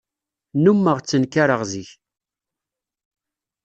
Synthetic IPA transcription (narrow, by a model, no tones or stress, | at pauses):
numːəʁt͡sːənkːaɾəʁziç